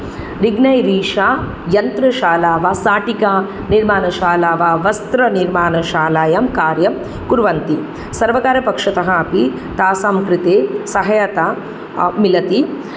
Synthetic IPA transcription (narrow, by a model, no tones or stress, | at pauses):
ɾiɡnɐjɾiːʂaː | jɐnt̪ɾɐʃaːlaːʋasaːʈikaː | niɾmaːnɐʃaːlaːʋaʋɐst̪ɾɐniɾmaːnɐʃaːlaːjɐmkaːɾjɐm | kuɾʋɐnt̪i | sɐɾʋɐkaːɾjɐpɐkʂɐt̪ɐɦɐɐpi | t̪aːsaːmkɾɪt̪eːsɐɦɐjɐt̪a | milɐt̪i